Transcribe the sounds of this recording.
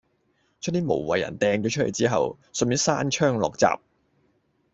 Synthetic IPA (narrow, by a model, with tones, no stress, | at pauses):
t͡ʃʰt̚niː˥mo˨˩wwɐ˨jɐ̰˨˩nt̪ɛː˨ŋt͡ʃɔː˨˧˥t͡ʃʰɵ˥t̚le˨˩t͡siː˥ɦɐ̰˨w | smi˨˥saː˥nt͡ʃʰœː˥ŋlɔ̰ː˨k̚t͡sa̰ː˨p̚